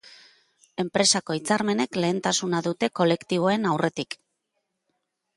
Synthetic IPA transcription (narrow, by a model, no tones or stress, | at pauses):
e̞mpɾe̞sako̞it͡saɾme̞ne̞kle̞ːnt̪asunaðut̪e̞ko̞le̞kt̪iβ̞o̞e̞nawrʔe̞t̪ik